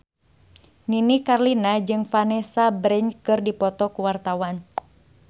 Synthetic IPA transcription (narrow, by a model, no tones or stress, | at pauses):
ninikarlinad͡ʒɨŋfanɛsabɾɛnkɨrdipɔt̪ɔkuwart̪awan